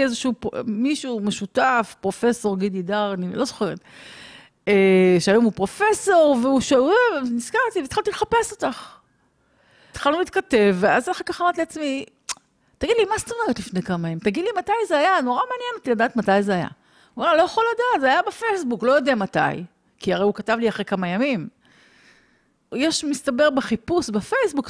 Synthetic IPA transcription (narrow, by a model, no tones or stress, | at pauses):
ezeʃiupmiʃume̞ʃutafpʁo̞fe̞so̞ʁɡididaʁanilo̞zoχeʁet̪ | eʃeajomupʁo̞fe̞so̞ʁveuʃaevniskaʁt̪iveit̪χaltileχape̞so̞taχ | t̪χalnuliːt̪kate̞vːeazeχakaχamaʁt̪iliat͡smi | t̪aɡidlimast̪omeʁet̪lifne̞jkamajamimtaɡid̪limatajzeajano̞ʁameːnjenot̪iladaːt̪matajzeaja̰ | umelo̞jaχoladaːt̪zeajabefejsbuklo̞jodeamata̰j | kiaʁeukatavliaχʁekamajamim | jeʃmistabe̞ʁbeχipusbefejsbuk